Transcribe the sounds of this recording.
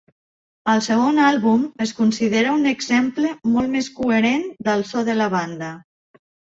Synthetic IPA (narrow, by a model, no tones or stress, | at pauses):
əlˠsəɣ̞onalˠβuməskunsiðeɾəuneɡzempləmɔlˠt̪meskueɾend̪əlˠsɔðələβ̞and̪ə